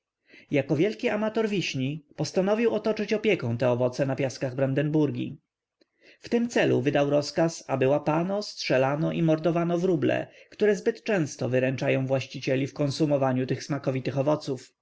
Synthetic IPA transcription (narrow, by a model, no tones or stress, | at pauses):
jakɔvʲjɛlkʲiamat̪ɔɾvʲiɕɲipɔst̪anɔvʲiwɔt̪ɔt͡ʂɘt͡ɕɔpʲjɛkɛ̃w̃t̪ɛɔvɔt̪sɛnapʲjaskaɣbɾand̪ɛnbuɾɡʲḭ | ft̪ɘmt̪sɛlṵvɘd̪awɾɔskasabɘwapanɔstʂɛlanɔʔimɔɾd̪ɔvanɔvɾublɛ̰kt̪uɾɛzbɘt̪t͡ʂɛ̃w̃st̪ɔvɘɾɛnt͡ʂajɔ̃w̃vwaɕt͡ɕit͡ɕelʲifkɔ̃nsumɔvaɲut̪ɘxsmakɔvʲit̪ɘxɔvɔt̪suf